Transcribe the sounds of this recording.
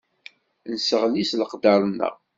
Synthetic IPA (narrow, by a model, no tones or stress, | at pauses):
nsəʁnisləqd̪əɾˤənːə̰ʁ